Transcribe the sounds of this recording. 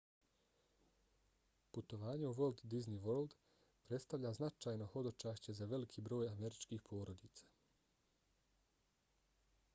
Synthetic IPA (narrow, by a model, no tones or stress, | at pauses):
put̪o̞ʋaːɲe̞uʋo̞lˠd̪d̪izniʋold̪ | pɾe̞t̪st̪aʋʎaznat͡ʃaːjno̞ho̞d̪o̞t͡ʃaːʃt͡ɕe̞zaʋe̞likʰiːbɾo̞ːjame̞ɾit͡ʃkiːxpʰo̞ːɾo̞d̪iːt̪sḁ